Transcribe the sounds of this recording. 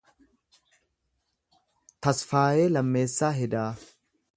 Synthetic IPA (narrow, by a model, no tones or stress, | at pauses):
t̪ɐsfaːjeːlɐmːe̞ːsːaːɦɛd̪aː